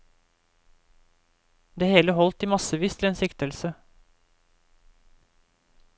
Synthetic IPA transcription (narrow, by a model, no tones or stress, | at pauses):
d̪eːheːləhɔlt̪iːmɑsəʋiːst̪ʰɪleːnsɪkt̪əlsə